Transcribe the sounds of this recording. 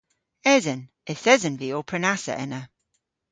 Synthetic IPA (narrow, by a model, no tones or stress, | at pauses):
ɛzən | ɛθɛzənviːɔpʰɹənasə̰ʔɛ̰nə